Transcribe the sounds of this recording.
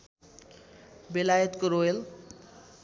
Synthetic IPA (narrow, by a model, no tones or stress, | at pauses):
belajət̪kəɾoel